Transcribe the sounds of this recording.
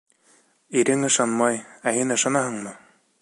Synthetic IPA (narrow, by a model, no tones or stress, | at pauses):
iɾɘŋɤ̆ʃɑnmɑjæhinɤ̆ʃɑnɑhɤɴmɤ